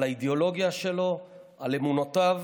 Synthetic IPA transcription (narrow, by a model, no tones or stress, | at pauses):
laideolo̞ɡjaʃe̞lo̞alemunotav